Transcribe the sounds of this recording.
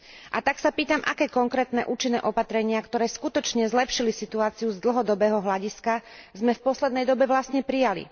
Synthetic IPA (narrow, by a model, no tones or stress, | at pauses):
ʔa̰t̪aksapiːt̪amʔa̰kɛːkɔŋkɾɛːt̪nɛʔuːt͡ʃinːɛ̰ːʔɔpat̪ɾɛɲɪakt̪ɔɾɛːskut̪ɔt͡ʃɲɛzlɛpʃilisit̪uaːt͡siuzd̪l̩ɦɔd̪ɔbɛːɦɔɦlaɟiskazmɛfpɔslɛd̪nɛjd̪ɔbɛʋlast̪ɲɛpɾijalḭ